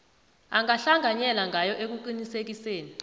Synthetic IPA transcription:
aŋʱaɬaŋʱaɲɛlaŋɡʱajɔʔek̬uǃinisek̬iseːni

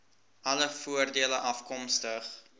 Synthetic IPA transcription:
ʔɐləfuərdiələʔɐfkɔmstəχ

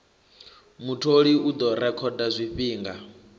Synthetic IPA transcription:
mutʰoɺiud̪ɔɾɛkʰɔdazʷiɸiːŋɡa

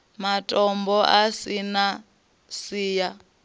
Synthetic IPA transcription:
matʼɔmbɔʔasina | siːja

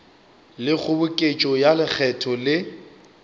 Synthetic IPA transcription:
lɪk͡xʰʊbʊkʼet͡ʃʼɔjalɪk͡xʰɛtʰɔlɪ

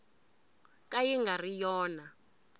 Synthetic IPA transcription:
kajiŋɡʱarijɔːna

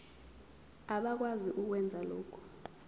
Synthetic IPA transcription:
aɓak̬waziʔuk̬wɛnd͡zʱaloːkʰu̥

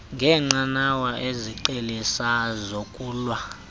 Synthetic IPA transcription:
ŋɡʱɛŋ͡ǀanawaʔeziǃelisazokʼuːlwa

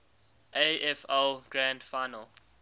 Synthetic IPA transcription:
ʔeɛfɛlɡɹãndfaɪnəl

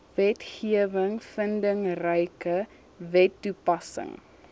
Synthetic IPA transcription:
vɛtχiəvəŋfəndəŋrəjkə | vɛtːupɐsə̰ŋ

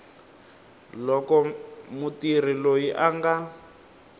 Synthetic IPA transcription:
lɔkɔmutir̤ilojiʔaŋɡa

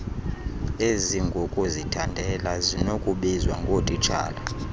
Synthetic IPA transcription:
eziŋɡʱokʼuzitʰandʱɛlazinokʼuɓizwaŋɡʱotʼit͡ʃʰʼa̰ːla

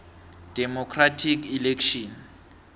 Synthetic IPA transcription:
d̥ɛmɔkʰratʰikilekʰʃɔn

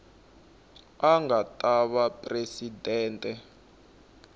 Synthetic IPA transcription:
aŋatʼaɓapʼresidɛːntʼɛ

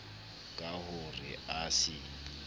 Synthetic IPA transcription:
kʼahʊrɪaːsɪ

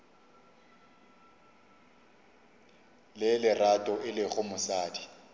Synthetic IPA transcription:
lɪlɪratʼɔʔɪlɪɣʊmʊsaːdi

